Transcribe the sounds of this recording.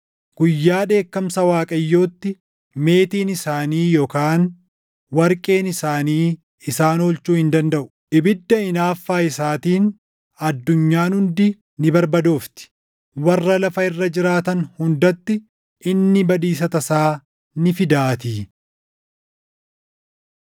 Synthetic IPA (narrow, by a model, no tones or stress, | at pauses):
ɡ̥ʊjːaːᶑe̞ːkːɐmsɐwaːkʼɐjːo̞ːt̪ːɪ | me̞ːt̪iːnɪsaːniːjoːkaːn | wɐɾkʼe̞ːnɪsaːniː | ɪsaːnoːlt͡ʃuːhɪnd̪ɐnd̪ɐʔʊ̥ | ʔɪbɪd̪ːɐɪnaːfːaːɪsaːt̪iːn | ɐd̪ːʊɲːaːnhʊnd̪ɪ | nɪbɐɾbɐd̪o̞ːft̪ɪ̥ | wɐrːɐlɐfɐɪrːɐd͡ʒɪɾaːt̪ɐnhʊnd̪ɐt̪ːɪ | ɪnːɪbɐd̪iːs̬ɐt̪ɐsaː | nɪfɪd̪aːt̪iː